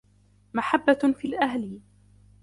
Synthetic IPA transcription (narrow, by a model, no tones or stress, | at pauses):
maħabːafiːlʔaɦlɪ